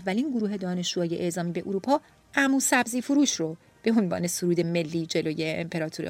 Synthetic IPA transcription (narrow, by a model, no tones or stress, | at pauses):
vːæliːnɡoɾuːɦe̞d̪ɒːne̞ʃuɒːjeʔeʔzɒːmiːbe̞ʔuɾuːpʰɒː | ʔæmuːsæbziːfuɾuːʃro | b̥e̞onvɒ̰ːne̞soɾuːd̪eme̞lːiːd͡ʒe̞loːje̞̰ːmpʰe̞ɾɒːt̪ʰuɾ̰